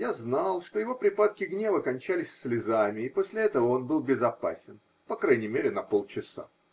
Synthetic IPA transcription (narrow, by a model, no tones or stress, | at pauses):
jaznalˠʂt̪o̞jɪvo̞pɾʲɪpat̪̚kʲɪɡnʲe̞vəkɐnʲt͡ɕælʲɪsʲsʲlʲɪzamʲɪːpo̞sʲlʲɪɛt̪əvəonbɨlˠbʲɪzɐpa̰sʲɪn | pɐkɾajnʲɪmʲeɾʲɪnɐpo̞lˠt͡ɕɪsa̰